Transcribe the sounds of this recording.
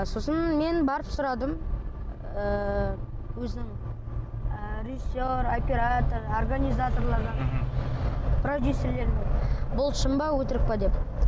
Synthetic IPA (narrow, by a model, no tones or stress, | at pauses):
so̞sənme̞nbɑɾəpsʊɾɑd̪əm | ə | wɵzɪnɪŋ | ɾʲeʒɪsːo̞ɾopʲeɾat̪ororɡanʲijzat̪o̞ɾlˠɑɾd̪ɑ | prod̪ʲjusʲːe̞ɾle̞ɾɪnebʊlˠʃəmbɑwɵt̪ɪɾɪk̚pɑd̪e̞p